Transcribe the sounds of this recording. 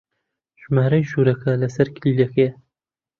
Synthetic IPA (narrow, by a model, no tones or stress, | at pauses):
ʒ̥maːɾɐjʒuːɾɐkʰɐlɐsɐɾkʰɪljeke